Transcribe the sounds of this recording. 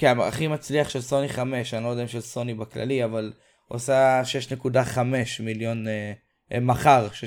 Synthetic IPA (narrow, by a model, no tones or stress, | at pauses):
kmaa̰χimat͡sliaχʃelso̞niχame̞ʃanlod̪eimʃelso̞nibakla̰liaval | o̰saʃeeʃnekudaχame̞ʃmiljo̞n | maχaʁʃe